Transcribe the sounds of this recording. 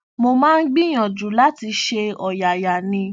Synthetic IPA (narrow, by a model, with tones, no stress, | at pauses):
mo˧mãː˦˧n̩˦ɡ͡bi˦j̃ɔ̃˨d͡ʒu˨˦la˦ti˧ʃe˧ɔ˨ja˨ja˨nĩ˧